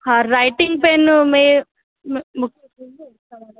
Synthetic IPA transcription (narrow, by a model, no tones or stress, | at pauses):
haɾɐjʈiŋɡ̚penme | mmu